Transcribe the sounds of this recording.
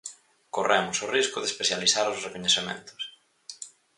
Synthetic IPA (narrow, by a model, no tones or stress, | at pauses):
korɛmʊsʊriskʊðespeθjaliθaɾʊzrekoɲeθemḛ̃nt̪ʊ̥s